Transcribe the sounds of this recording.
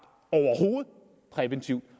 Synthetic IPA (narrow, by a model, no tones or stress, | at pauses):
ɒʊɐho̝ːð̩ˠ | pʰʁɛʋent͡sʰiʊd̥